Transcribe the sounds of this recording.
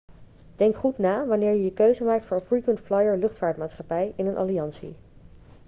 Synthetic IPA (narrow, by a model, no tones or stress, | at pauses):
d̥ɛŋkχutnaːʋɑnɪːɹjəjəkøɥzəmaːk̚tfʊːɹfɹukəntflɑjəɹlɵχtfaːɹtmaːtsχɑpɛjɪnənʔɑ̰liɑnsḭ